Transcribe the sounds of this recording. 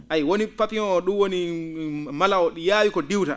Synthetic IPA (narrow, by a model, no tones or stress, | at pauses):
ʔajwonipapinɔɗuwoni | malaɔɗjawikɔdiwta̰